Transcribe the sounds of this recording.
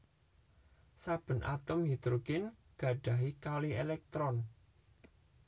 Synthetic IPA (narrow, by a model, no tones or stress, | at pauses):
sab̥ə̤nʔa̰t̪ʊmjit̪ɾuɡɪn | ɡ̥ä̤ɖ̥ä̤ɦikalielɛk̚t̪ɾɔn